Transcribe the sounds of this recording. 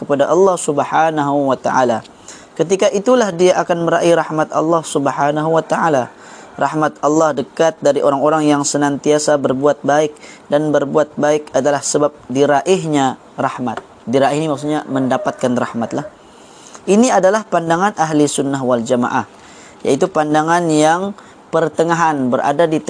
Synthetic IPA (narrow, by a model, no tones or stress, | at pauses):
kəpadaʔɑlːɑhsubhanaɦuwat̪a̰ʔa̰la | kət̪̬ikaʔit̪ulahdiaʔakanməɾaʔiɾahmat̪ɑ̰lːɑhsubəħanaɦuwat̪aala | rahmat̪̚ɑlːɑhdəkat̪̚daɾiʔoɾaŋoɾaŋjaŋsənant̪iasabərbuat̪̚baɪk̚danbərbuat̪̚baɪkadalahsəbap̚diɾaʔɪɦɲa | rahmat̪̚ | diɾaʔɪhnimaks̬uɲaməndapat̪̚kanrahmat̪̚lah | ʔiniadalahpandaŋanʔaɦlisunːaɦwald͡ʒama̰ʔa̰h | ja̰it̪upandaŋanjaŋ | pərt̪əŋaɦanbəɾʔa̰dadit̪